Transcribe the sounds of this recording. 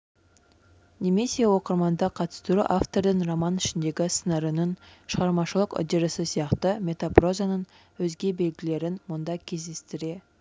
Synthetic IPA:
neme̞se̞wo̞qəɾmɑnd̪ɑqʰɑt̪ə̥st̪uɾuʔaft̪o̞ɾd̪əɴromɑnɪʃɪnd̪e̞ɡʲɪsənɑɾənənʃəʁɑɾmɑʃəlˠəqo̰d̪eɾəsɪsijɑqt̪əmʲe̞t̪apro̞zanən | wɵzɡʲe̞be̞lɡʲɪle̞ɾɪnmʊnd̪ɑkʲʰe̞zd̪e̞st̪ɪɾe̞

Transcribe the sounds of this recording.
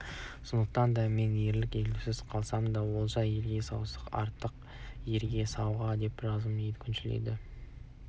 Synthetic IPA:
sʊnd̪əq̚t̪ɑnd̪ɑme̞nje̞ɾlɪkʲe̞ɡ̪ʲusɪzqʰɑlˠsɑmənd̪ɑwo̞lˠʒɑje̞lɡʲe̞sɑwsəqɑ̰ɾt̪ːəq | je̞ɾɡʲe̞sɑwʁɑd̪e̞pʒɑzəmd̪ejd̪ɪkʲʰʏnʃɪlḛd̪ɪ

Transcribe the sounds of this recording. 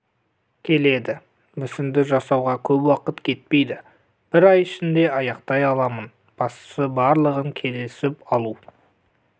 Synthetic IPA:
kʲʰe̞le̞d̪ɪ | mʏsɪnd̪ɪʒɑsɑwʁɑkʲʰɵpwɑqət̪kʲʰe̞t̪̚pe̞jd̪ɪ | b̥ɪɾɑjɪʃɪnd̪e̞ɑjɑqt̪ɑjɑlˠɑmən | b̥ɑst̪ə̥səbɑɾlˠəʁəŋkʲʰe̞lɪsɪpɑlˠu

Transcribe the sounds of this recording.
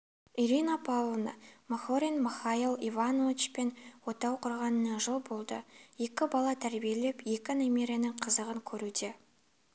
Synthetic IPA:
iɾinapʰawlˠnɑ̰mɑχoɾʲinmɪχailˠivanovʲit͡ʃpe̞nwo̞t̪ɑwqʰʊɾʁɑnənɑʒəlˠbo̞lˠd̪ə̰je̞kʲɪbɑlˠɑt̪ʰæɾbije̞le̞pje̞kʲɪnomʲeɾʲjanɪŋqʰəzəʁəŋkʲʰɵɾud̪e

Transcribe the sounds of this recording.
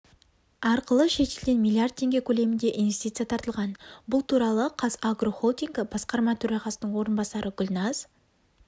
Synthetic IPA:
ɑɾqəlˠəʃe̞t̪elɡ̪ʲenmilˠijard̪̚ʰːe̞ŋɡʲe̞kʲʰɵle̞mɪnd̪e̞ʔinvʲe̞st̪it̪sɨijat̪ʰɑɾt̪əlˠʁɑnbʊlˠt̪ʰuɾɑlˠəqʰɑzaɡro̞χolˠt̪ʲiŋɡɪbɑsqɑɾmɑt̪ʰɵɾɑʁɑsənəɴwo̞ɾənbɑsɑɾʔəɡʲʊlʲnɑz̥

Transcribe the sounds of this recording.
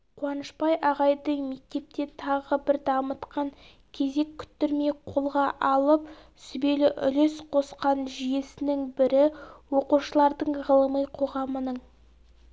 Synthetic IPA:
qʰwɑnəʃpɑjʔɑʁɑjd̪əɴme̞k̚t̪e̞p̚t̪e̞t̪ʰɑʁəbɪɾd̪ɑmət̪qɑŋ | kʲʰe̞ze̞kʲʰːʏ̥t̪ːɪɾmejqʰo̞lˠʁɑʔɑlˠəp | sʏbe̞lɪʔʏ̰lesqʰo̞sqɑnʒije̞sɪnɪŋbɪɾɪwoquʃəlˠɑɾd̪əɴʁəlˠəməjqʰo̞ʁɑmənəɴ

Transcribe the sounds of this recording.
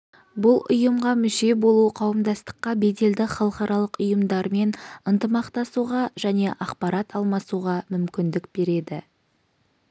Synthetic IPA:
bʊlˠʔʊ̰jəmʁɑmʏʃe̞bo̞lˠuqʰɑwəmd̪ɑst̪ə̥qːɑbe̞d̪e̞ld̪ɪχɑlˠəχɑɾɑlˠəqʊjəmd̪ɑɾme̞nənt̪əmɑqt̪ɑsuʁɑʒæne̞ʔɑqpɑɾɑt̪ɑlˠmɑsuʁɑmʏmkʲɪnd̪ɪkbe̞ɾe̞d̪ɪ

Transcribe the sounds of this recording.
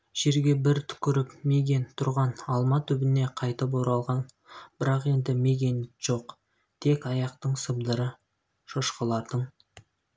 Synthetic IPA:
ʒ̥e̞ɾɡʲe̞bɪɾt̪ʰʏ̥kʲʏɾɪpme̞ɡʲe̞nt̪ʰʊɾʁɑnɑlˠmɑt̪ʰʏbɪne̞qʰɑjt̪əp̬oɾɑlˠʁɑn | b̥ɪɾɑqe̞nd̪ɪme̞ɡʲe̞nʒ̥o̞q | t̪ʰe̞kʲɑjɑqt̪əɴsəbd̪əɾə | ʃoʃqəlˠɑɾd̪̥əɴ

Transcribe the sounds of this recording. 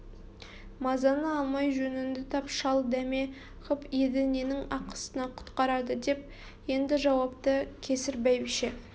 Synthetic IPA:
mɑzɑnəɑlˠmɑjʒɵnɪnd̪ɪt̪ʰɑpʃɑlˠd̪æme̞ | χəped̪ɪnenɪŋɑqə̥sənɑqʰʊ̥t̪qɑɾɑd̪əd̪e̞p̚ | je̞nd̪ɪʒɑwɑpt̪əkʲʰe̞sɪɾbæjbiʃe

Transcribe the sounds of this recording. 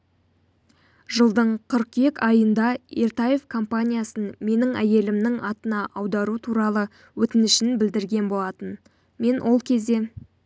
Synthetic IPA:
ʒəlˠd̪əɴqʰəɾqje̞kʲɑjənd̪ɑeɾt̪aje̞vkʰo̞mpanʲijasənme̞nɪŋæje̞lɪmnɪŋɑt̪ənɑʔɑwd̪ɑɾut̪ʰuɾɑlˠə | wɵt̪ɪnɪʃɪnbɪld̪ɪɾɡʲe̞nbo̞lˠɑt̪ən | me̞nwʔo̞lˠkʲʰe̞zd̪e̞

